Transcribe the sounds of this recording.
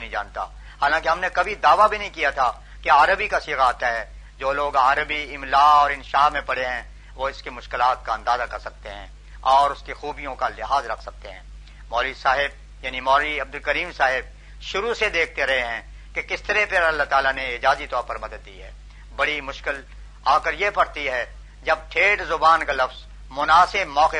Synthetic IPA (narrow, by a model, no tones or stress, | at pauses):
nɦĩd͡ʒã̰ːnt̪a̰ | haːlãːkeɦɐmnekɐbʱid̪aːʋabʱinɐɦĩkijat̪ʰa | keaːɾəbikasiːɣaaːt̪aɦɛː | d͡ʒoːloːɡaːɾəbiɪmlaːɔːɾɪnʃaːɦmẽpɐɽeɦɛ̃ | ʋoɪskemʊʃkɪlaːt̪̚kaɐ̃nd̪aːzakɐɾsɐk̚t̪eɦɛ̰̃ | ɔːɾʊskexuːbijõkalɪɦaːzɾɐkʰsɐk̚t̪eɦɛ̃ː | mɔːɾisaːɦɪb̚ | jaːnimɔːɾiɐb̚d̪ʊlkɐɾiːmsaːɦɪb̚ | ʃʊɾused̪eːk̚ʰt̪eɾɐɦeɦɛ̃ː | kekɪst̪ɐɾɛepeɾɐlːat̪aːlaneɪd͡ʒaːzit̪ɔːɾpɐɾmɐd̪əd̪̚ːḭːɦɛː | bɐɽimʊʃkɪl | aːkəɾjepɐɽt̪iɦɛ | d͡ʒɐb̚ʈʰeːʈzʊbaːnkalɐfz | mʊnaːsɪbmɔːqe